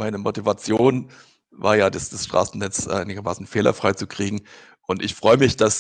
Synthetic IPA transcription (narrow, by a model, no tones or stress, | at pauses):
maɪnəmotivat͡sjoːn | va̰ːɐjaːdasd̥asʃtʁ̥a̰ːsn̩nɛt͡sʔaɪnɪɡɐmaːsn̩feːlɐ̰fʁ̥aɪt͡sukʁ̥iːɡŋ̩ | ʔʊntɪçfʁ̥ɔʏəmɪçd̥as